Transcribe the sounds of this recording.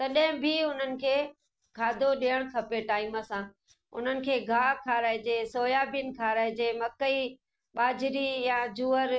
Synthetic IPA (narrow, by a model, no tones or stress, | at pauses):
t̪ɐɗɦɪ̃bʱɪʊn̤ənɪ̆kʰeː | kʰaːd̪ʱoɗiːəɽ̃kʰɐpeʈaːɪməsã | ʊ̰n̤ənɪ̆kʰeːɡʱaːkʰaːɾaːɪd͡ʑeːsoːjaːbɪnkʰaːɾaːɪd͡ʑeːmɐkəi | ɓaːd͡ʑɪɾijãd͡ʑuːəɾ